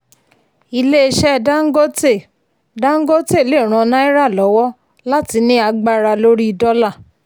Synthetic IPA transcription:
i˧le˦e˧ʃɛ˦˧˨da˦ŋ̩˦ɡo˦te˦˨ | dã˦ŋ̩˦ɡo˦te˦˨le˦˨ɾ̃ã˨˧nã˦i˦ɾa˦˨lɔ˨˦wɔ˦ | la˦ti˧˦nĩ˦a˧ɡ͡ba˧ɾa˧lo˦ɾi˦i˧dɔ˦la˦˨

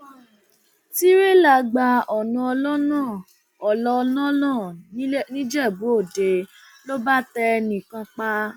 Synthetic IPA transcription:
ti˦ɾe˦˨la˧˨ɡ͡ba˧ɔ˨nã˧ɔ˧lɔ˦nãː˦˨ | ɔ˨lɔ˧nã˦nãː˦˨n˦nĩ˦d͡ʒɛ˦˨bo˨˦o˦˨de˨ | lo˦ba˦tɛ˧nĩ˨kã˧k͡pa˦

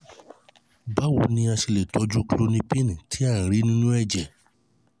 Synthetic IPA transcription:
ba˦˨wo˨˧nĩ˧a˧ʃi˧le˨tɔ˨˦d͡ʒu˦klo˦nĩ˧˦pĩ˦ñ˨tʰi˨˦ã˦˨ɾi˨˦nĩ˦nũ˦ɛ˦˨d͡ʒɛ˨

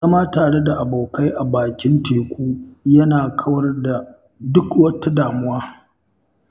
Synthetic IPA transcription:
zɐ˦maː˦taː˨ɽe˦da˨ʔa˨ba˨ka˦jʔa˨baː˨kʲɪ˦nteː˨kʷuː˦jɐ˦naː˨kʰɐ˦wɐ˦rda˨ | dʊ˦kwɐ˦ta˦daː˨mʊ˦waː˦

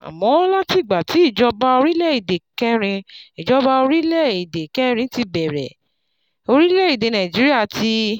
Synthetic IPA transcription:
a̰˨mɔ̃˨˦ɔ˦la˦ti˦˨ɡ͡ba˨ti˨˦i˦˨d͡ʒɔ˧ba˦o˧ɾi˦lɛ˦˨i˨de˨kɛ˦ɾ̃ĩ˧i˨d͡ʒɔ˦ba˦o˧ɾi˦lɛ˦˨i˨de˨kɛ˦ɾĩ˧˦ti˧bɛ˨ɾɛ̰˨ | o˧ɾi˦lɛ˦˨i˨de˨nã˨i˨d͡ʒi˨˦ɾi˦a˦˨ti˧

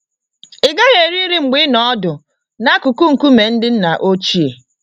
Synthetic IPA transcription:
ɪ˨ɡa˦ɣe˨ɾi˦ɾi˦ŋ͡m̩˨ɡ͡bi˦nɔ˦dʊ˨ | na˦ku˨ku˦ŋ̩˨ku˦me˨n̩˦dɪ˦n̩˦na˨ʔo˦t͡ʃi˦e˨

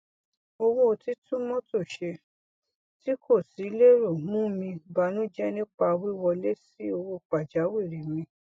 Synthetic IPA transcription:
o˧wo˦o˧ti˦tũ˦mɔ̃˦to˦˨ʃe˧ | ti˦kʰo˦˨si˨˦le˦ɾo˨mũ˦mĩ˧ba˨nũ˦d͡ʒɛ˦nĩ˦k͡pa˧wi˦wɔ˧le˦si˦o˧wo˦k͡pa˨d͡ʒa˨˦wi˦˨ɾi˨mĩ˧

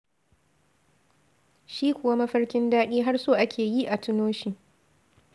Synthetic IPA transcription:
ʃiː˦kʷʊ˨wa˦mɐ˦ɸɐ˦rkʲɪ˦ndaː˦ɗiː˦ɦa˦rsoː˦ʔa˦kʲʰeː˨ji˦ʔa˨tʊ˦noː˦ʃiː˨

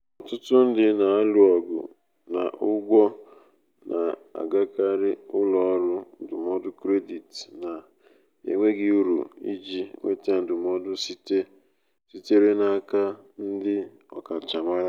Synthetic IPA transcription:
ɔ˨tʊ˦tʊ˦n̩˦dɪ˦na˨a˦lu˨ɔ˨ɡʊ̰˨ | na̰˨ʔʊ˦ɡʷɔ˦ | na̰˨a̰˨ɡa˦ka˦ɾɪ˦ʊ˦lɔ˨ɔ˦ɾʊ˦n̩˨dʊ˨mɔ˦dʊ˦kɾe˦di˨tna˨ | ḛ˨ŋʷe˦ɡɪ˨u˦ɾṵ˨ḭ˦d͡ʒi˦ŋʷḛ˦te˦n̩˨dʊ˨m˦ɔ˦dʊ˦si˦te˦ | si˦te˦ɾe˦na˨a˨ka˦n̩˦dɪ˦ | ɔ̰˨ka˨t͡ʃa˨ma˦ɾa˦

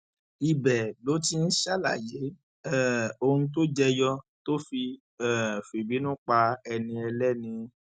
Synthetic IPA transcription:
i˨bɛ˨lo˨˦ti˦n̩˦ʃa˦la̰˦˨je˨˦ | ɛ˦˨o˧hũ˧t̬o˦d͡ʒɛ˧jɔ˧to˦fi˧ | ɛ˦˨fi˨bi˨˦nũ˦k͡pa˧ɛ˧nĩ˧ɛ˧lɛ˦nĩ˧

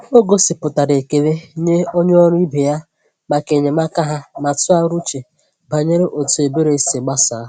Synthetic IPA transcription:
o˦ɡo˦sɪ˨pʊ˨ta˨ɾe˨ke˨le˦ɲe˦o˦ɲ˦ɔ˦ɾʊ˦i˦be˨ja˦ | ma˨ke˨ɲe˨ma˦ka˦ɦa˦ma˨tʊ˦a˦ɾu˦t͡ʃe˨ | ba˨ɲe˦ɾe˦ʔo˨tu˨e˨be˦ɾe˦se˨ɡ͡ba˦sa˨˦˨

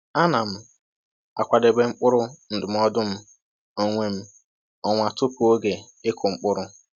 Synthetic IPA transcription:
a˦na˨m̩˦ | a̰˨kʷa˨de˨ɡ͡be˨ŋ͡m̩˦k͡pʊ˦ɾʊ˦n̩˨dʊ˨m̩˦ɔ˦dʊ˦m̩˦ | o˦ŋʷe˦m̩˦ | ɔ˦ŋʷa˨tʊ˦pu˨o˦ɡe˨ | ɪ˦kʰʊ˨ŋ͡m̩˦k͡pʊ˦ɾʊ˦

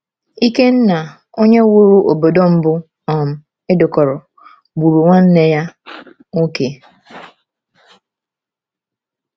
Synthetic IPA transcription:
i˦ke˦n̩˦na˨ | o˦ɲe˦wo˦ɾu˦ʔo˨bo˨do˦m̩˦bʊ˦ | ɔ˨m̩˨ | e˦dʊ˨kɔ˨ɾɔ˨ | bu˨ɾu˨ŋʷa˦n̩˦ne˦ja˦ | ŋo˦ke˨

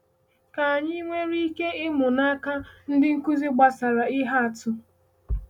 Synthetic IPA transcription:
ka˨a˨ɲi˦ŋʷe˦ɾi˦ke˦ɪ˦mʊ˨na˦ka˦n̩˦dɪ˦ŋ̩˦ku˦zi˦ɡ͡ba˦sa˨ɾa˨i˦ɦa˦a˨tʊ˦

